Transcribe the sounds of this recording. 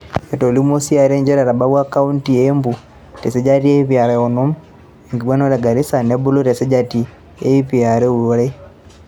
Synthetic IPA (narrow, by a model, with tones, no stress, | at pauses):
e˨to˨li˦mo˦si˦a˨ɾe˦ɲd͡ʒɛ˦ɾa˨ɾa˨ba˦wa˦ka˦u˦nti˨embu˨ | te˨se˦d͡ʒa˦ti˦e˦βja˨ɾe˨o˨nu˦m | e˨ŋɡi˨ɡwa˦no˦le˨ɡa˨ɾi˦sa˨ne˦bu˦lo˦tɛ˨sɛ˦d͡ʒa˦ti˨ | e˦i˦pia˨ɾe˦u˦ɾe˦